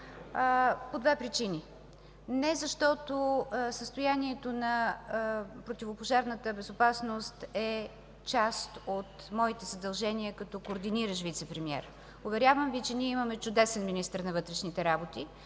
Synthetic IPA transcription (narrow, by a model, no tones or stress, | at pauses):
pod̪vɛpɾit͡ʃini | nɛzɐʃt̪ɔt̪osəst̪ojaniɛt̪onɐ | pɾot̪ʲivopoʒaɾnət̪əbɛzopasnost̪ɛ | t͡ʃast̪ot̪ | mɔit̪ɛzəd̪ɐlˠʒɛniəkɐt̪ɔkoːɾd̪iniɾəʃvit̪sɛpɾɛmiɛ̰ɾ | ʊvɛɾʲjavəmvit͡ʃɛniɛimɐmɛt͡ʃʊd̪ɛsɛnminist̪əɾnɐvɤt̪ɾɛʃnit̪ɛɾabot̪i